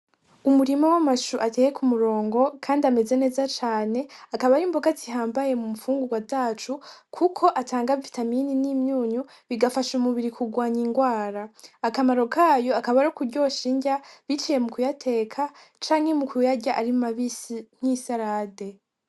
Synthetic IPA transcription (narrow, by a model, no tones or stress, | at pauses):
umuɾimawamaʃuʔatejekumuɾo̞ːŋɡo̞kʰaːndiame̞ze̞ne̞ːzat͡ʃaːne̞akaβaɾimboɡaziɦaːmbaje̞mumufuːŋɡuɡwazaːt͡ʃukʰukʰo̞ʔataːŋɡavitamininiːmɲuːɲu | βiɡafaʃumuβiɾikʰuɡwaːɲiŋɡwaːɾaakamaɾo̞kaːjo̞akaβaɾokuɾɟo̞ːʃiːɲɟaβit͡ʃije̞mukujatʰe̞ːkʰa | t͡ʃaːŋhe̞mukujaɟaʔaɾimaβisn̥isaɾaːde̞